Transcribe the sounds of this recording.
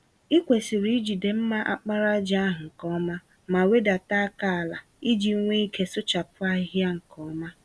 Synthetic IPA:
i˦kʷe˨si˨ɾi˦i˦d͡ʒi˨de˨m̩˦ma˦ʔa̰˨k͡pa˦ɾa˦d͡ʒa˦ɦʊ˨ŋ̩˨kɔ˦ma˦ | ma˨we˦da˨ta˦a˦ka˦˨la˨ | i˦d͡ʒi˨˦ŋʷe˦i˦ke˦sʊ˦t͡ʃa˨pʊ˦a˦ɦɪ˦a˦ŋ̩˨kɔ˦ma˦

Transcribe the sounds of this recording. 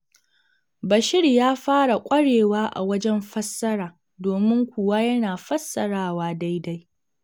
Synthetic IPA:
bɐ˨ʃɪ˦rjaː˦ɸaː˦ɽa˨kʷʼɐ˦ɽeː˨waː˦ʔa̰˨wɐ˦d͡ʒɛ˦mɸɐ˦sːɐ˦ɾaː˨ | doː˨mɪ˦ŋkʷuː˨wa˦jɐ˦naː˨ɸɐ˦sːɐ˨ɽaː˦waː˦da˦jda˦j

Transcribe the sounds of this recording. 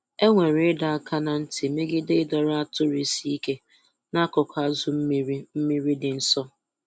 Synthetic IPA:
e˦ŋʷe˨ɾɪ˦da˨a˦˨kʰa˦na˨n̩˦tɪ˨me˦ɡɪ˦dɪ˦ɪ˦dɔ˨ɾa˦tʊ˦ɾi˨si˦i˦ke˦ | na˦kɔ˨kʷʰa˦zʊ˨m̩˦i˦ɾi˦m̩˦mi˦ɾi˦dɪ˨n̩˦sɔ˦

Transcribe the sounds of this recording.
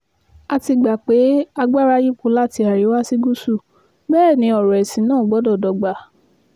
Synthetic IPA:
a˧ti˧ɡ͡ba˨k͡pe˨˦a˧ɡ͡ba˦ɾa˦ji˦kũ˨˦la˦˨ti˧a˨ɾi˨˦wa˦si˦ɡu˦su˦˨ | bɛː˦˨nĩ˧˦ɔ˨ɾɔ˨ɛ˨sĩ˨˦nãː˦˨ɡ͡bɔ˨˦dɔ˦˨dɔ˧˨ɡ͡ba˨

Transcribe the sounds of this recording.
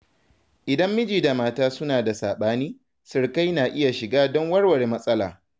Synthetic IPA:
ʔɪ˨dɐ˦mːɪ˦d͡ʒiː˨da˨maː˦taː˦sʊ˦naː˨da˨saː˨ɓaː˦niː˦ | sɪ˨ɽka˦jnaː˨ʔɪ˦ja˨ʃɪ˨ɡaː˦dɔ˦ŋwɐ˦rwɐ˨ɽe˨mɐ˦sʼɐ˦la̰ː˨

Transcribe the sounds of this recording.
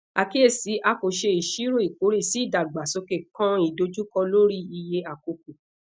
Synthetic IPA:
a˨ki˦e˦˨si˨˦ʔa˧ko˨ʃe˧i˨ʃi˨˦ɾo˦˨i˨ko˨˦ɾe˦˨si˨˦i˦˨da˨ɡ͡ba˨so˧ke˨kã˦i˨do˨˧d͡ʒu˦kɔ˧lo˦ɾi˦i˧je˧a˨ko˧k̚u˨

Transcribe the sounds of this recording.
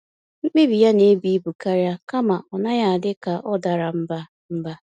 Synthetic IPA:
ŋ͡m̩˦k͡pi˦bi˨ja˦ne˨˦bi˨˦i˦bu˨ka˦ɾja˦ka˦ma˨ʔɔ˨na˦ja˨a˨dɪ˦ka˨ʔɔ˦da˨ɾa˨m̩˦ba˦ | m̩˦ba˦

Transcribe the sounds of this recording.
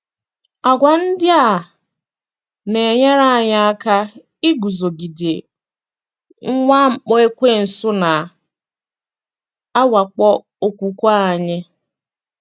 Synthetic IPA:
a˨ɡʷa˨n̩˦dɪ˦a˨ | ne˨e˨ɲe˦ɾa˦a˨ɲa˦a˦ka˦ | i˦ɡu˨zo˨ɡi˨de˨ | ŋ̩˦ŋʷa˦ŋ͡m̩˨k͡pɔ˦e˦kʷe˦n̩˨sʊ˦na˨ | a˦wa˨k͡pɔ˦ | o˨kʷu˨kʷa˦a˨ɲɪ˦

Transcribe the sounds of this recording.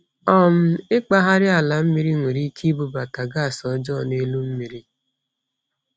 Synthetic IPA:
ɔ˦m̩˦ɪ˦k͡pa˦ɦa˦ɾɪ˦a˨la˨m̩˦mi˨ɾi˦ŋʷe˨ɾi˦kʰi˦bu˨ba˨ta˨ɡa˦˨sɔ˨˦d͡ʒɔ˦˨ne˦lu˦m̩˦mi˨ɾi˦

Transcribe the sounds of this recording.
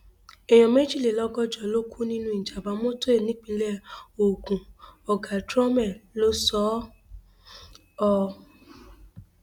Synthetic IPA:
ɛ˨j̃ɔ̃˨me˦d͡ʒi˦˨le˨lɔ˦ɡɔ˦d͡ʒɔ˨lo˦kʰu˦nĩ˦nũ˦i˨d͡ʒa˨ba˨˧˦mo˦to˦e˦˨nĩ˦k͡pĩ˧lɛ˦˨o˨ɡũ˨ɔ˨ɡa˨dɾɔ˦mɛ˦˨lo˦sɔ˦ | ɔ˧

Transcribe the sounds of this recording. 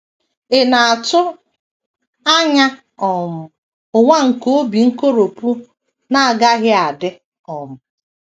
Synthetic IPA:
ɪ˨na˨a˨tʊ˦ | a˦ɲa˦ | ɔ˨mʊ˨ | ʊ˨ŋʷa˦ŋ̩˨ko˦o˦bi˨ŋ̩˦ko˦ɾo˨pu˦ | na˦a˨ɡa˦ɣɪ˦a˨dɪ˦ | ɔ˨mʊ˨

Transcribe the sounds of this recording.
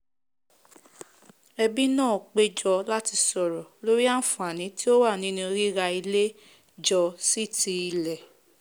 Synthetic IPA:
ɛ˧bi˦nãː˦˨k͡pe˦d͡ʒɔ˧la˦ti˧sɔ˨ɾɔ˨lo˦ɾi˦a˦n̩˦fũ˨a˨nĩ˨˦ti˦o˦wa˦˨nĩ˦nũ˧ɾi˦ɾa˧i˧le˦ | d͡ʒɔ˧si˦˨ti˧i˧lɛ˨

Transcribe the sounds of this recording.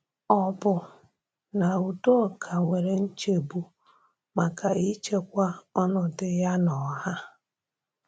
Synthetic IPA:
ɔ˦bʊ˨ | na˨u˨do˦˨kʰa˨ŋʷe˨ɾe˨n̩˦t͡ʃe˨bu˦ | ma˨ka˨i˦t͡ʃe˦kʷa˦ɔ˦nʊ˨dɪ˦ja˦nɔ˨ɦa˦

